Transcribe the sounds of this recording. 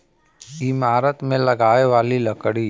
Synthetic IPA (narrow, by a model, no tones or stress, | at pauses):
imaːɾət̪mẽlɐɡaːeʋaːlilɐkɽiː